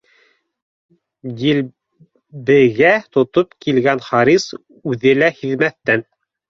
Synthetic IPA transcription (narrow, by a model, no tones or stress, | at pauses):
jil | bɘ̆ɡæt̪ŏt̪opkilɡænχɑɾis | ʉðɘlæhiðmæθːæn